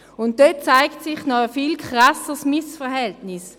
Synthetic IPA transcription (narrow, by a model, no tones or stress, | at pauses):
ʊnt̚døt̚t͡saɪktsɪχnɔəfilkʰʁasəsmɪsfəʁhɛltnɪs